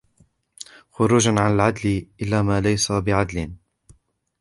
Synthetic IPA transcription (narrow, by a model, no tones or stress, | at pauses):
xʊɾuːd͡ʒaʕanalʕad̪lɪʔɪlːaːmaːlajsabɪʕad̪lɪn